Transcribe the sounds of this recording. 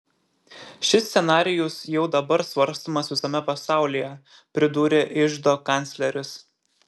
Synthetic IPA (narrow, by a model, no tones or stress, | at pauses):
ʃʲɪsʲsʲɛnɑːɾʲɪjʊsjɛʊd̪ɐbɐɾsʋɐɾst̪oːmɐsʋʲɪsɐmʲɛpɐsɑˑʊlʲijɛ | pʲɾʲɪd̪uːɾʲeʔɪʒd̪oːkɐnʲt̪sʲlʲɛɾʲʊs